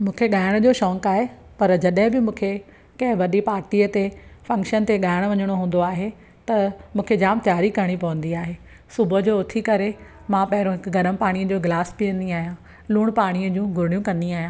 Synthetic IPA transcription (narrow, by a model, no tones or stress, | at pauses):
mũːkʰeɠaːɪɽ̃d͡ʑoːʃɔ̃ːŋkaːɦe | pɐɾd͡ʑɐɗɦɪ̃bɪmũːkʰe | kɐ̃ɦɪ̃ʋɐɗipaːɾʈiːət̪efɐ̃ŋkʃənt̪eɠaːɪɽ̃ʋɐɲəɽ̃oɦũːn̆d̪oaːɦe | t̪ɐmũːkʰed͡ʑaːmt̪jaːɾikɐɾəɽ̃ipɐʋə̃n̆d̪iaːɦeː | sʊbʱə̆d͡ʑoːʊt̪ʰikɐɾe | mãpɐɦɪɾõɦɪkʊɡɐɾəmpaːɽ̃ijəd͡ʑoːɡlaːsbiɐ̃nd̪iaːɦijã | luːɽ̃paːɽ̃iəd͡ʑũːɡʱʊɾɪɽijũkɐ̃nd̪iaːɦijãː